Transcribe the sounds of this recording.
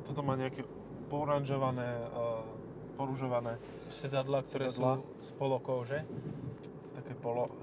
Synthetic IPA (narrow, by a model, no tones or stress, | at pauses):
t̪ɔt̪ɔmaːɲɛakɛ | pɔuɾanʒɔʋanɛː | pɔɾuʒɔʋanɛː | sɛt̪ad̪laːk̚t̪ɔɾɛsla | spɔlɔkɔʊʒɛ | t̪akɛːpɔlɔ